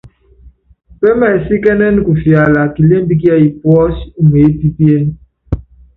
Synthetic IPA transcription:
pe˦mɛ˨si˦kɛ˦nɛ˦n˦ku˨fi˨a˨la˨ki˨le˦m̩˦bi˦k̬i˦a˦i˨pwɔ˦su˨m˨e˨e˦pi˦pi˦e˦n˦

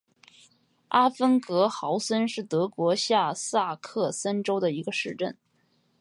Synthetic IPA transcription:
a˥fə˥nkɤ˧˥xɑ˧˥ʊsə˥nʂɻ̩˥˩t̪ɤ˧˥kwɔ˧˥ɕja˥˧sa˥˧kʰɤ˥˩sa˥nʈ͡ʂo˥ʊd̪ə˨i˧˥ɡə˧ʂɻ̩˥˧ʈ͡ʂə̰˥˩n

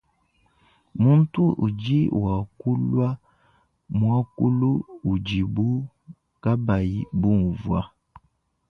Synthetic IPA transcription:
mu˦n˦tu˦ʔu˨d͡ʒi˦˨wa˨ku˦lwa˦ | mwa˦ku˦lu˦u˨d͡ʒi˨bu˦ | ka˦ba˨i˦bu˦˨n˨vwa˦

